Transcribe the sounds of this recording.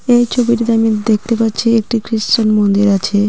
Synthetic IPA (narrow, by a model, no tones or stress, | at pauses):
ejt͡ɕʰobiʈit̪eamid̪ek̚t̪epatːɕʰiek̚ʈikɾiʃt͡ɕanmond̪iɾat͡ɕʰe